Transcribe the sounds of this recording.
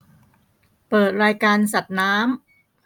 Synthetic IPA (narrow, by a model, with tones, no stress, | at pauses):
pɤː˨˩t̪̚ɾaː˧jkaː˧nsa˨˩t̪̚naː˦˥m